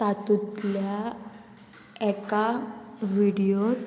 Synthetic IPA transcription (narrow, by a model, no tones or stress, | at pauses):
at̪ut̪lja | ɛkaʋiɽijo